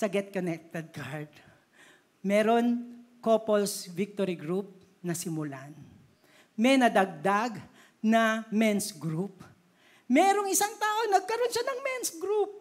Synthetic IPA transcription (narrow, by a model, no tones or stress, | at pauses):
sɐɡɛt̪̚konɛk̚t̪ɛd̪̚ɡaɹd̪ | mɛːɾonkopolsvɪk̚t̪oɾiɡɾup̚ | nɐsɪmʊlan | mɛnɐd̪ɐɡ̚d̪aɡ | nɐmɛnsɡɾup̚ | mɛːɾoŋɪsaŋt̪aːʔonɐɡ̚kɐɾo̞nʃanɐŋmɛnsɡɾup̚